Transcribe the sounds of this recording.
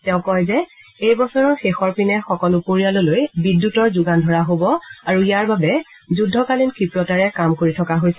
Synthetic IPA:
tɛʊ̃kɔjzɛ | ejbɔsɔɹɔɹxexɔɹpinɛxɔkɔlupoɹialʊlojbidːutɔɹzʊɡandʱɔɹaɦobɔaɹuijaɹbabɛ | zudʱːɔkalinkʰipɹɔtaɹɛkamkoɹitʰɔkaɦojsɛ

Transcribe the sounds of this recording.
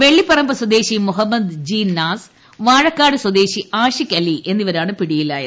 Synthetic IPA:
ʋe̞ɭːipːɐrɐmbɐswɐd̪e̞ːɕimuɦɐmːɐd̪d͡ʑiːnːaːs | ʋaːɻɐkːaːɽɨswɐd̪e̞ːɕiʔaːʂikʲːɐliʔe̞nːiʋɐɾaːɳɨpiɽijila̰ːjɐ̰

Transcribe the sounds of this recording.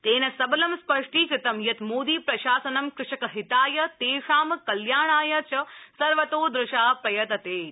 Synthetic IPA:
t̪eːnɐsɐbɐlɐmspɐʂʈiːkɾɪt̪ɐmjɐt̪moːd̪iːpɾɐʃaːsɐnɐmkɾɪʂɐkɐɦɪt̪aːjɐt̪eːʂaːmkɐljaːɳ̃aːjɐt͡ʃʰɐsɐɾʋɐt̪oːd̪ɾɪʃaːpɐjɐt̪ɐt̪eː

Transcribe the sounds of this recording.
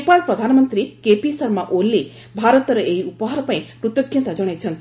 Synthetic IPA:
epaɭpɾɔd̪ʱanɔmənt̪ɾikepisəɾmaʔolːi | bʱaɾɔt̪ɾɔʔeiupɔɦɔɾɔpaĩpɾut̪jɔkʰjɔ̃nt̪ad͡ʒʌɽ̃ajt͡ʃʰʌn

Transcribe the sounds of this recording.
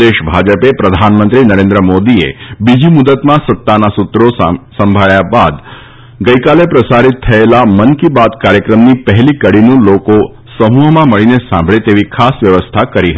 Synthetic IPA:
eʃbʱad͡ʒəpepɾəd̪ʱanmə̃nt̪ɾinəɾẽnd̪ɾəmod̪iḛbid͡ʒimud̪ət̪mãsət̪ːanasut̪ɾosə̃mbʱaɭjabad̪ | ɡəjkalepɾəsaɾit̪ʰːəelamənkibad̪kaɾjəkɾəmnipəɦlikəɽinũloko | səmuɦmãməɭinesãmbʱɭet̪eʋikʰasʋjəʋəst̪ʰakəɾiɦəi

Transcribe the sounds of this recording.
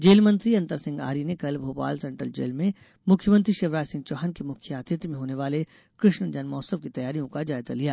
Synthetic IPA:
d͡ʒeːlmɐ̃nt̪ɾiɐ̃nt̪əɾsɪ̃ŋɡa̰ːɾinekɐlbʱoːpa̰ːlsɛ̃ɳʈɾə̰ld͡ʒḛːlmẽ | mʊkʰjəmə̃nt̪ɾiʃɪʋɾaːd͡ʒsɪ̃ŋɡ̚t͡ʃɔːɦənkemʊkʰjaːt̪ɪt̪jmẽɦoːneʋaːle | kɾɪʃɳd͡ʒɐnmɔːsəʋkit̪ɐjaːɾijõkad͡ʒaːjza̰lijaː

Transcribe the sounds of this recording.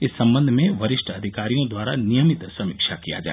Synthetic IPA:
ɪsːɐ̃mbə̃nd̪ʱmẽʋɐɾɪʃʈʰɐd̪ʱikaːɾijõd̪waːɾanijəmɪt̪sɐmɪkʃakija̰d͡ʒa̰ː

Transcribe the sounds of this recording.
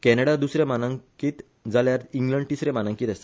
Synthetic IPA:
kɛneɽad̪usɾemanəŋkiːt̪ | d͡zaljaɾiŋɡlə̃ɳɖʈisɾẽmanə̃ŋkiːt̪əst̪

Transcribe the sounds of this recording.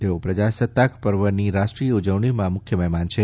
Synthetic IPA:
t̪eopɾəd͡ʒasət̪ːakpəɾʋəniɾaʃʈɾijəud͡ʒəʋɳ̃imãmʊkʰjəmɛɦmant͡ʃʰe

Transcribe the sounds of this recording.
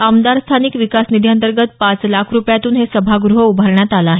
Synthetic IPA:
amd̪aɾst̪ʰanikʋikasnid̪ʱjant̪əɾɡət̪̚pat͡slakʰɾupjat̪uːnɦesəbʱaɡɾuɦəubʱaɾɳjat̪alaːɦe

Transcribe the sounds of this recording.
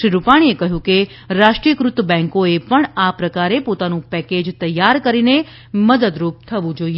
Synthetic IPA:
ʃɾiɾupaɽ̃iekəɦjũke | ɾaʃʈɾiəkɾʊt̪əbɛ̃ŋkoepəɳapɾəkaɾepot̪anũpɛked͡ʒt̪əjːaɾkəɾine | məd̪əd̪ɾup̚t̪ʰəʋũd͡ʒoie

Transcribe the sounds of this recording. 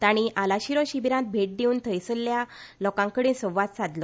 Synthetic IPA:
t̪aɽ̃iʔalaɕiɾɔɕibiɾãt̪̚bʱeʈ̚d̪euːnt̪ʰəjsəlːjalɔkãŋkəɽesɔ̃ʋʋat̪sad̪lɔ

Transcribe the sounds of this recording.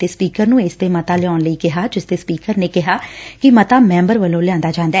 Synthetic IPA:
t̪eːspiːkəɾnũːeːsd̪eːmət̪aːlɪaːnləiːkɪɦaːd͡ʒɪsd̪eːspiːkəɾneːkɪɦaːkɪmət̪aːmɛ̃ːmbəɾʋəlõːlɪjãːnd̪aːd͡ʒãːnd̪aɛ

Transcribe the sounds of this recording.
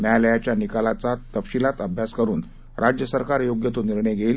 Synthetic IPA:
majləjat͡ɕjanikalat͡sat̪əpɕilat̪əbʱjaskəɾuːn | ɾʔad͡ʑjəsəɾkaɾjoɡjət̪oniɾɳəjɡʱeil

